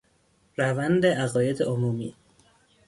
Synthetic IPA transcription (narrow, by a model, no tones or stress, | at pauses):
ɾævænd̪eʔæɣɒːjed̪eʔomuːmḭː